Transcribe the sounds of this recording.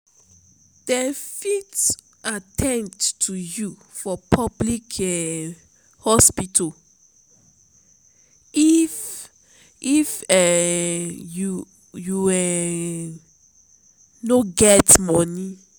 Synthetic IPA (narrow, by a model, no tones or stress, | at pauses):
d̥ɛfit | atʰɛ̃nttʰujufɔpʰɔblikʰɛ | hɔspitʰo | if | ifɛ | ju | juɛ | noɡɛtmɔni